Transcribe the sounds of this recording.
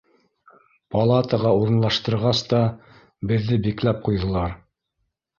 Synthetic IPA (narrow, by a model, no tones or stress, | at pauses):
pɐlˠɑt̪əʁɑuɾɤ̆nlˠɑʃt̪ɤ̆ɾʁɑst̪ɑ | bɘ̆ðːɘbiklæp̚qujðɤ̆lˠɑɾ